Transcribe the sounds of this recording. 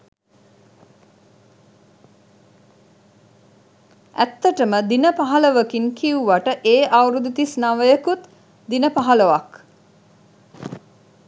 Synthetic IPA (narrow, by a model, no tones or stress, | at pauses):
æ̰t̪ːəʈəməd̪inəpaɦaləʋəkiŋkiuʋaʈəʔeːʔawɾud̪ut̪isnaʋəjəkut̪ | d̪inəpaɦaləʋak